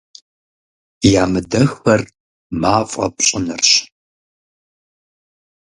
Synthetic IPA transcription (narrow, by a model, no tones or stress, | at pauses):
jaːmɨdɐxxɐr | maːfʼɐ̰p̚ɕʼɪnɨrɕ